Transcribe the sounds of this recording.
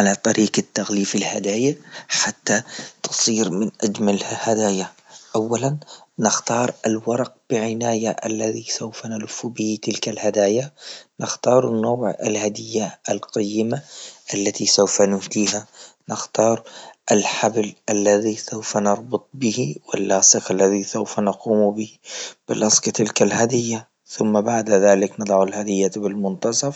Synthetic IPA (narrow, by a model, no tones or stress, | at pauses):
ʕalat̪ˤɑɾʔiːqɪt̪ːaɣliːfɪlhad̪aːjaħat̪ːat̪ɨ̥sˤiːɾmɪnʔad͡ʒmalhad̪aːjaʔawːalanːɪxt̪ɑːɾˤɪlwɑɾˤɑq̚b̥ɪʕɪnaːjaʔa̰lːaðisawfanalʊfːubɪhit̪ɪlkalhad̪aːjanɪxt̪ɑːɾˤɪnːaːʕɪ̰lhad̪ɪjːaʔalqɑjːɪmaʔalːat̪isawfanʊhd̪iːhanɪxt̪ɑːɾˤʔalħablʔalːaðisawfanɑɾˤbʊt̪ˤbɪhiwɪlːɑːsˤɨqalːaðisawfanɑquːmbɪhib̥ɪlʔɑsˤɡɪt̪ɪlkalɦad̪ɪjːa | θʊmːabaʕd̪aðaːlɪknɨd̪ˤɑʕalhad̪ɪjːabɪlmʊnt̪ɑsˤɑf